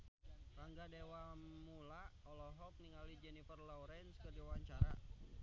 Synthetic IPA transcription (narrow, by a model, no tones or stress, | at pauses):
raŋɡadewamulaɔlɔɦɔk̚niŋalid͡ʒɛnifərlɔwɾɛnskərdiwaɲt͡ʃaɾa